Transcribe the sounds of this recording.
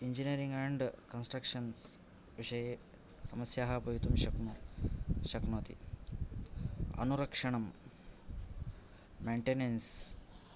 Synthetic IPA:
iɲd͡ʒiniɾiŋɡæːɳɖkɐnsʈɾɐkʂɐns | ʋiʂɐje | sɐmɐsjaːɦɐbʱɐjut̪umʃɐknu | ʃɐknoːt̪ḭ | ɐ̰nuɾɐkʂɐɳɐm | meːɳʈenens

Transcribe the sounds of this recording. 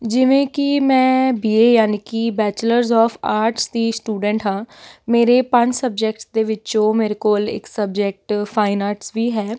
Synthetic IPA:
d͡ʒɪʋẽːkɪmɛ̃ːbiːeːjaːniːkiːbɛːt͡ʃləɾzɔːfʰaːɾʈsd̪iːsʈuːɖɛ̃ɳʈɦãːmeːɾeːpə̃ɲd͡ʒsəb̚d͡ʒek̚ʈsd̪eːʋɪt͡ʃõːmeːɾekoːlɪ̰ksəbd͡ʒek̚ʈpʰaːɪnaːɾʈsʋiːɦɛː

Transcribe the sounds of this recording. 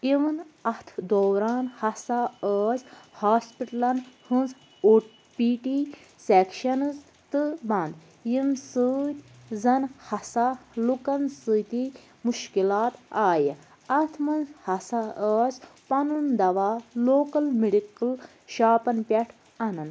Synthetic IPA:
iʋɐnɐt̪ʰd̪oːɾaːnhɐsaəːzʲhaːspiʈlɐnhɨnz | uʈ | piːʈi | sekʃɐnɨz | t̪ɨbɐ̃nd̪ | jimsɨːt̪ʲ | zɐnhɐsalukɐnsɨt̪i | muʃkilaːt̪aːji | ɐt̪ʰmɐnzhɐsaəːsʲpɐnund̪ɐʋaːloːkɐlmiɖikɨl | ʃaːpɐnpʲɐʈʰ | ɐnɐn

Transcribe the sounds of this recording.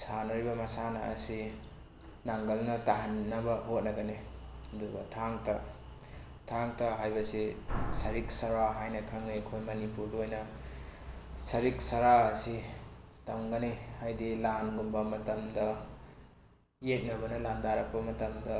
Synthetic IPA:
sanɐɾibɐmɐsanɐ̰ːsi | naŋɡɐlnɐtaɦanːɐbɐhot̚nɐɡɐnedubɐ̰tʰaŋtɐ | tʰaŋtɐɦajbɐsisɐɾiksɐɾaɦajnɐkʰaŋnikʰojmɐnipuɾduojnɐ | sɐɾik̚sɐɾaːsitaŋɡanehajdilanɡumbɐmɐtɐmdɐ | jet̚nɐbɐnɐland̪aɾɐk̚pɐmɐtɐmdɐ

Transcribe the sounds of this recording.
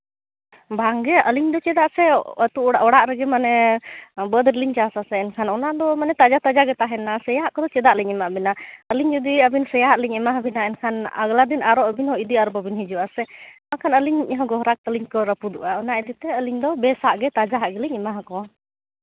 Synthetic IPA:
baŋɡɛəliɲd̪ɔt͡ʃɛd̪aʔsɛət̪uʔɽaʔɔɽaʔɾɛɡɛmanɛ | bəd̪ɾliɲt͡ʃasasɛɛnkʰanɔnad̪ɔmanɛt̪ad͡ʒat̪ad͡ʒaɡɛt̪aɦɛnasɛjaaʔkɔd̪ɔt͡ʃɛd̪aʔliɲɛmaʔbinaəliɲd͡ʒɔd̪iəbinsɛjaʔliɲɛmaɦabinaɛnkʰana̰ɡlad̪inaɾɔʔəbinhɔid̪iaɾbabinɦid͡ʒuʔasɛmakʰanəliɲʔɛɦɔ̃ɡɔɦɾak̚t̪əliɲkɔɾəpud̪uʔaɔnaʔɛd̪it̪ɛəliɲd̪ɔbɛsaʔɡɛt̪ad͡ʒaɦaʔɡɛliɲɛmaɦakɔa

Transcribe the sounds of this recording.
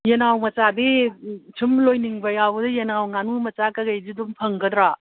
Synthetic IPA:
jenawmɐt͡ʃadit͡ʃʰimlojniŋbɐjabɐdɐjenawŋanumɐt͡ʃakɐɡɐjzidumpʰɐŋɡɐdɾa

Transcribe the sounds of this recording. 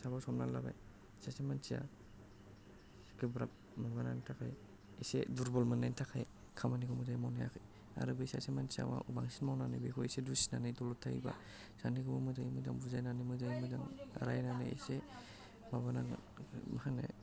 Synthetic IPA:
sabawsɔmna̰laba̰j | sasemansʰija̰ | kɯbɾap̚ | mabanantʰakʰaj | eseduɾbɔlmanajntʰakʰaj | kʰamanikʰɔmɯzajmawnaja̰kʰɯj | a̰ɾɯbesasemansia̰ma̰ubaŋsinmawnanɯjbekʰɔesedusi̥nanɯjdɔlɔtʰaḭba̰ | saniɡɔbɔmɯzajimɯzaŋbuzajnanɯmɯzajmɯdaŋa̰ɾajnanɯ̰ḛse | maβanaŋ | mahanḛ

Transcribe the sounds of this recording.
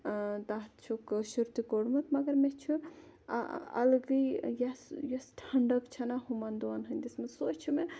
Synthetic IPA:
t̪aɦt̪t͡ʃʰukʃuɾt̪ikoɽmɐt̪mɐɡɐɾmet͡ʃʰu | a̰ɐ̰lɡijjɐsjɐsʈʰɐɳɖəkt͡ʃʰɐnaɦumɐnd̪uanɦɐnʲd̪ismesot͡ʃʰume

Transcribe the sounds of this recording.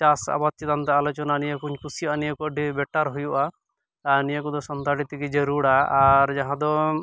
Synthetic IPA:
t͡ʃasa̰bat̪jid̪ant̪aalɔt͡ʃɔnanijɔkuɲkusijanijɔkuɔɖʱibɛʈːaɾɦujuʔa | anijakud̪ɔsɔnt̪aɖit̪ikid͡ʒeɾuɽaaɾd͡ʒaɦãd̪ɔ

